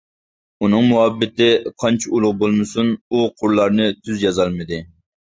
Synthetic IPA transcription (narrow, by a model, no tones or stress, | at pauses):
unɨŋmuɦɑbːɪt̪ɪqʰɑnt͡ʃʰiulˠʊʁbolˠmɨsunuqʰʊɾlˠɑɾnɨt̪ʰyzjɑzɑlˠmɨd̪ɪ